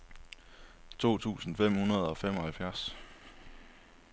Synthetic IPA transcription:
t͡sʰo̝̰ːt͡sʰṵːsn̩fem̰hunɐð̞̩ˠɒ̽fem̰ɒ̽hælfjæɐs

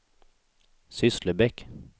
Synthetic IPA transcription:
sʏsləbɛk

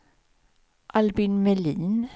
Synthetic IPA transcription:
ʔɑlbɪnmɛliːn

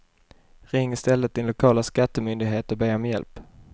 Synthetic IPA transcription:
ɾɪŋːɪst̪ɛlːət̪̚d̪ɪnlʊkʰɑːlaskat̪ːəmʏnd̪ɪɡɦeːt̪əbeːɔmjɛ̰lp

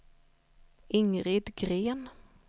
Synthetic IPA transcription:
ɪŋɾɪd̪ɡɾeːn

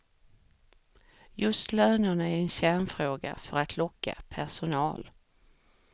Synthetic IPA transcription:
jɵst̪løːnəɳaæɾɛnɕæɳfɾoːɡa̰fœɾat̪ʰlɔkːa̰pʰæʂʊnɑ̰ːl

